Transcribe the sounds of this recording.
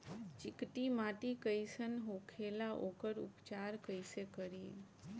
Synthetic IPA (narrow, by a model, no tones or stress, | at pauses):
t͡ʃɪkʈ̪imaʈikəjsənɦokʰelaʔokəɾṵpt͡ʃaɾkəjsekəɾi